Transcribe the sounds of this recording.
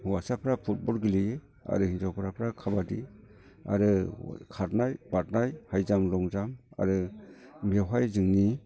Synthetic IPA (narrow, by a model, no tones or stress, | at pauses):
wasapʰɾapʰut̚bɔlɡilijɯ | a̰ɾɯhinzawpʰɾapʰɾakʰabadi | a̰ɾɯ̰kʰatnajb̥at̚najhajzamɾɔŋzama̰ɾɯmewɦajzɯŋni